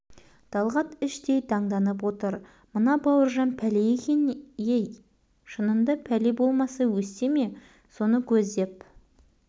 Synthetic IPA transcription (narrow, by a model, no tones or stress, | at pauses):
d̪̥ɑlˠʁɑt̪ɪʃt̪ejt̪ʰɑɴd̪ɑnəp̬wo̞t̪əɾ | mənɑbɑwəɾʒɑnpʰælejekʲenjej | ʃənənd̪əpʰælebo̞lˠmɑsɑwɵst̪e̞me̞ | so̞nəkʲʰɵzd̪e̞p